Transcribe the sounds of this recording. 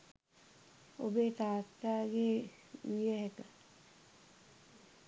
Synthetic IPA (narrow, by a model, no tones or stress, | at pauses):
obeːt̪aːt̪ːaːɡeː | ijəɦekə